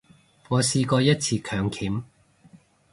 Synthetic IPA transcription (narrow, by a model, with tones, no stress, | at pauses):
ŋɔː˨˧siː˧kɔː˧jɐ˥t̚t͡sʰiː˧kʰœː˨˧ŋkʰiː˨˥m